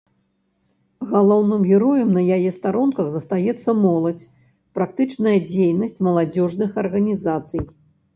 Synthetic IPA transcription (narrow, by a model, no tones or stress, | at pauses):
ɣalˠɔwnɨmɣʲɛɾɔjɐmnɐjajɛst̪aɾɔnkɐɣzɐst̪ajɛt̪sːɐmɔlˠɐt͡sʲ | pɾak̚t̪ɨt͡ʂnɐjɐd͡zʲejnɐsʲt͡sʲmɐlˠad͡zʲɔʐnɨxɐrɣɐnʲizat̪sɨj